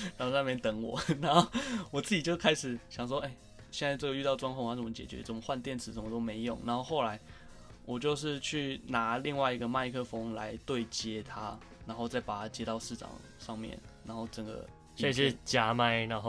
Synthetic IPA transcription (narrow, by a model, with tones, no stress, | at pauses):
na˧˥o˥˧˩a˥˧me˥˩nt̪ə˨˥ŋwɔ̰˨˩˦na˧˥nxo˥˩ʊwɔ˨˩t͡sɹ̩˥˩t͡ɕi˨˩t͡ɕjo˥˧˥kʰa˥ɪʂɻ̩˨˩ɕjɑ˨˩ŋʂwɔ˥e˥˩ɪ | ɕjɛ˥˧nt͡sa˥˧ɪʈ͡ʂə˥˩ɡə˩y˥˧t̪ɑ˥˩ʊʈ͡ʂwɑ˥ŋkʰʊ˥˧ŋxa˥˩ə˥˩˧t͡ɕjɛ˨˩t͡ɕɥɛ̰˧˦t͡sə˥˩mə˦xwa˥˧nt̪jɛ˥˩nt͡sɹ̩˨˩ʂə˧˦mə˧t̪o˥ʊme˧˥ɪjo̰˨˩˦ŋna̰˧˥xo˥˧ʊxo˥˩ʊla˧˥ɪ | wɔ˨˩t͡ɕjo˥˧ʊʂ̬ɻ̩˥˧t͡ɕʰy˥˩na˧˥˦li˥˧ŋwa˥˩ɪi˧˥ɡə˧ma˥˧ɪkʰɤ˥˧fo˥ŋla̰˧˦ɪt̪we˥˩ɪt͡ɕjɛ˥t̪ʰa˦˥ | na˧˥nxo˥˧ʊt͡sa˥˩ɪpa˨˩t̪ʰa˥t͡ɕjɛ˥t̪ɑ˥˧ʊʂɻ̩˥˩ʈ͡ʂɑ̰˨˩ŋ | ʂɑ˥˧ŋmjɛ̰˥˨˩nna˧˥nxo˥˩ʊʈ͡ʂə˨˩nɡə̰˩ | a˥˧˩ɕɛ˦t͡ɕja˥ma˥˩ɪna˧˦xo˥˧